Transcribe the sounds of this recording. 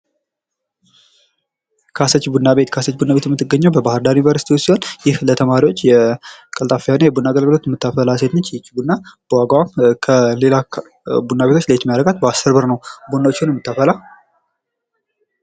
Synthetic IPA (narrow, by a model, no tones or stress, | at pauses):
kʰasət͡ʃːbunːabet̪kʰasət͡ʃːbunːabe̞t̪jɛmːɨt̪ːɨɡːəɲːəwbəbahɨɾd̪aɾjunivəɾsit̪ʰiwusiho̞njɪhlət̪ʰəmaɾiwo̞t͡ʃːjɛkʼəlt̪ʼafijanejɛbunːaɡəlɡɨlo̞t̪jɛmːɨt̪ːafəlaset̪nət͡ʃːjɛt͡ʃːbunːab̥əwaɡwamkʰəle̞la | bunːabe̞t̪ʰot͡ʃːlet͡ʃ̪mijadɾəɡat̪basəɾbəɾnəwbunːawot͡ʃːɪunjɛmːɨt̪ːafəla